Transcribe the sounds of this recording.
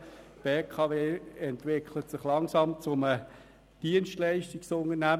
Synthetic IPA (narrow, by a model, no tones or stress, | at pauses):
b̥eːkʰɑveːɛntʋɪkʰlətsɪχlɑŋsɑmt͡sʊmə | d̥iənsʃtlæɪʃtiksʊnənæ